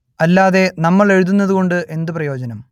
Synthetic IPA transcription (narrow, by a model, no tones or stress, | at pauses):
ɐlːaːðe̞nɐmːɐɭe̞ɻuðunːɐðuɣo̞ɳɖɨʔe̞nd̪ɨprɐjo̞ːd͡ʑɐnɐm